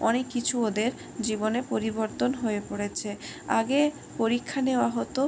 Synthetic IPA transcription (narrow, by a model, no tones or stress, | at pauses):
ɔnekːit͡ɕʰuod̪eɾ | d͡ʑibonepoɾiboɾt̪onɦoepoɽet͡ɕʰea̰ɡe | poɾikʰːaneoaɦɔt̪o